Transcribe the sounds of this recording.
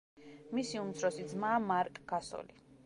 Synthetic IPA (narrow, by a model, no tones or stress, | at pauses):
misiumt̪sʰɾɔsid̪zmaːmaɾkʼɡasɔ̰li